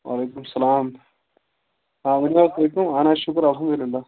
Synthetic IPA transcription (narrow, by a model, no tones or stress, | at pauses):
ʋa̰ːlejkːumsɐlaːm | aːʋɐniʋaːsɐjkːumaːnaːɕukɐɾɐlɦɐmd̪uliɪlːa